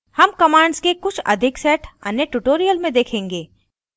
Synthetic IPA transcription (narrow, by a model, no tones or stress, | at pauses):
hɐmkɐmaːɳɖzkekʊt͡ʃʰɐ̰d̪ʱɪksɛːʈʰɐ̰njəʈuʈoːɾijəlmẽd̪eːkʰẽːŋɡeː